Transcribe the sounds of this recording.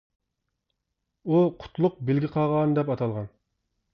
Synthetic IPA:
uqʰʊ̥t̪ʰlˠʊq̚belɡʲiqʰɑʁɑnd̪ɛpɑt̪ʰɑlˠʁɑn

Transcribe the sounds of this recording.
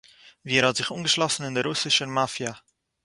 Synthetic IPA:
viːɛɾhɑtz̥ɪχuːnɡəʃlɔsn̩ɪndɛɾʊsɪʃəmafja

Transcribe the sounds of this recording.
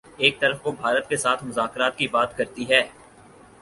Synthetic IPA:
eːk̚t̪ɐɾəfkobʱaːɾət̪kesaːt̪ʰmʊzaːkɾaːt̪kibaːt̪kɐɾt̪iɦɛː

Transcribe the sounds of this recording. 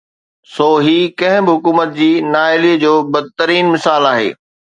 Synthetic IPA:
soːɦiːkɐ̃ɦɪ̃bɪɦʊkuːmət̪̚d͡ʑiːnaːɪliːəd͡ʑoːbɐd̪̚t̪əɾiːnmɪsaːlaːɦḛː

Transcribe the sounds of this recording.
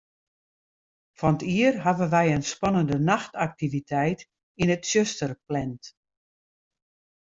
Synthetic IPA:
fɔnətiərɦaʋənʋɛjənspɔnəndənaxtak̚tivitʰɛjt | inətsjøstərplɛnt

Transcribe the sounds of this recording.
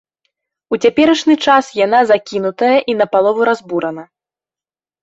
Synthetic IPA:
ut͡sʲapʲɛɾɐʂnɨt͡ʂasjanazakʲinut̪ɐjɐʔinɐpalˠɔvuɾazbuɾɐnɐ

